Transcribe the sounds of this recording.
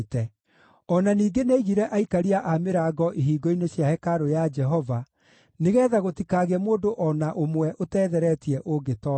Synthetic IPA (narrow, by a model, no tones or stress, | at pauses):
tɛ | ɔnaniːɡeneiɣiɾɛʔaikaɾiaʔameɾaːɡɔʔiɦiːɡɔineɕjahɛkaɾojad͡ʒɛɦɔva | neɣɛːðaɣotikaɣeɛmoːdoʔɔnaʔomwɛʔotɛːðɛɾɛtiɛʔoɡetɔ